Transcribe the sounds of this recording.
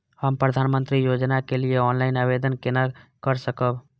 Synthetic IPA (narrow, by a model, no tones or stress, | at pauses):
həmpɾəd̪ʱanmənt̪ɾijod͡ʒnakelieɔːnlaɪnabed̪ənkenakəɾsəkəb